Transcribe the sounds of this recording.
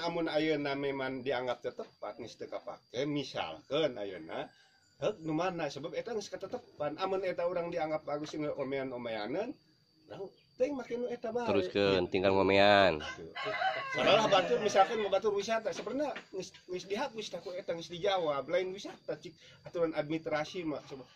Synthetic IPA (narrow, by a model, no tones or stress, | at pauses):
amunajənamemandiaŋɡap̚t̪ət̪əpa̰t̪̚ŋəst̪əkapa̰kɛnmisa̰lkəna̰jə̰na̰ | hək̚numanasəbap̚et̪aŋəskat̪ət̪əpanamunɛt̪auɾaŋdiaŋɡap̚baɡusiŋəʔomeanomea̰nən | na | t̪əŋmakɛnuet̪abaəɾuskənt̪iŋɡalŋomeant̪ṵsalalahbat̪urmisalkənmabat̪urwisat̪asəpərnaŋəsŋəsdiɦak̚ust̪akuet̪aŋəsdid͡ʒawablainwisat̪at͡ʃik̚at̪uɾanad̚mit̪ɾasiimlaksəbab̚